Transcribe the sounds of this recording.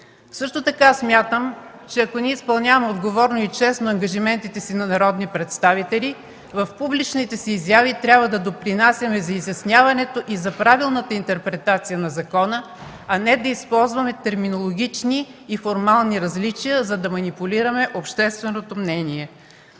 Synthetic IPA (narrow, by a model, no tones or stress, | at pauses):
sɤʃt̪ot̪ɐkasmʲjat̪əm | t͡ʃɛɐkoniɛispɐlˠnʲavɐmɛod̪ɡovɔɾnoit͡ʃɛsnoɐŋɡɐʒimɛnt̪it̪ɛsinɐnɐɾɔd̪nipɾɛt̪st̪avit̪ɛli | vɐfpublit͡ʃnit̪ɛsiːzjavit̪ɾʲjabvɐd̪ɐd̪opɾinasʲɐmɛzɐizjɐsnʲjavɐnɛt̪oʔizɐpɾavilˠnət̪əint̪ɛɾpɾɛt̪at̪sijənɐzɐkɔnə | ɐnɛd̪ɐispɔlˠzvɐmɛt̪ɛɾminolˠoɡʲit͡ʃniːfoɾmalˠniɾɐzlit͡ʃijəzɐd̪ɐmɐnipʊlʲiɾəmɛʔopʃt̪ɛst̪vɛnot̪omnɛniɛ